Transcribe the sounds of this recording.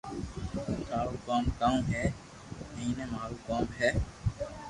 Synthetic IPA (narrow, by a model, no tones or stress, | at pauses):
t̪ʰaːɾoːkaːmkaːũːɦɛː | əɦĩnẽːmaːɾuːkaːmɦɛː